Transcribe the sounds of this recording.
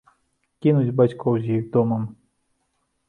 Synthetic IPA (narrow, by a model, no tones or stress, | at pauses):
kʲinut͡sʲbat͡ɕʲkʰɔwzʲjiɣd̪ɔmɐm